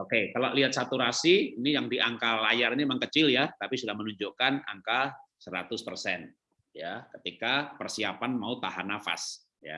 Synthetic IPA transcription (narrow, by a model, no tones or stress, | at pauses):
okekalaʔliɦat̪̚sat̪uɾasiːnijaŋdiʔaŋkalajariɲimaŋkət͡ʃɪljat̪apisudahmənuɲd͡ʒokana̰ŋkasəɾat̪ʊspərsɛn | jakət̪ikapərsiapanmaut̪aɦanafa̰s | ja̰